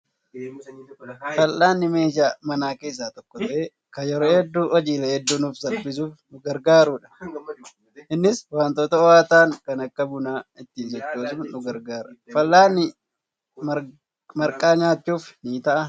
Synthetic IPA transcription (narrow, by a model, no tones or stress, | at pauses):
fɐlːaːnːɪme̞ːʃaːmɐnaːke̞ːs̬ːaːt̪ɔkːɔt̪ɐʔe | kɐjɛɾoːhɛd̪ːuːʔɔd͡ʒiːlɐhɛd̪ːuːnuːfsɐlbɪs̬uːfnʊɡɐɾɡaːɾuːᶑɐ̥ | ʔɪnːɪswaːnt̪oːt̪ɐɔwaːt̪aːŋkɐnɐkːɐbʊnaːɪt̪ːiːnsɔt͡ʃːoːs̬ʊmnʊɡɐɾɡaːɾɐfɐlːaːnːɪ | mɐɾkʼaːɲaːt͡ʃːuːfniːt̪ɐʔɐ